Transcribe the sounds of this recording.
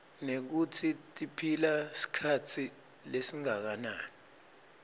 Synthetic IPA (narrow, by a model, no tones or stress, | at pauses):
nek̬utʰitʼipʰilasi̥kʰatʰi | lesiŋak̬anaːni